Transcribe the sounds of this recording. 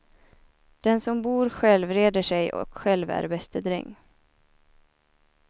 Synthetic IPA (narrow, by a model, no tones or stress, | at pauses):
d̪̥ɛnsɔmbuːɾɧɛlvɾeːd̪əʂɛjɔ̰kɧɛlvæ̰ɾbɛst̪əd̪ɾɪ̰ŋː